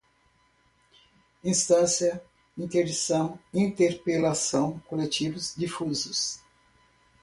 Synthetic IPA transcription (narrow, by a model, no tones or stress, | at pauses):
ĩst̪ɐ̃sjɐ | ĩnt̪eɾd͡ʒisɐ̃w̃ĩnt̪eɾpelasɐ̃w̃kolet͡ʃivʊzd͡ʒifuzʊs